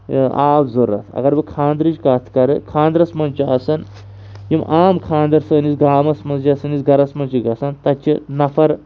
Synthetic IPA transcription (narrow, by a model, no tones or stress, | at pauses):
aːbzoɾːɐ̰t̪ʰɐ̰ɡɐɾbɨkʰãːnd̪ɾit͡ʃkaːt̪ʰkɐɾɨkʰãːnd̪ɾɐsmɐnt͡ʃiɐsɐn | jimʔaːmkʰãːnd̪ɐɾsəːnisɡaːmɐsmɐnzd͡ʒiɐsɐnisɡɐɾɐsmɐnt͡ʃiɡɐsɐnt̪ɐt͡ʃinɐfʰɐɾ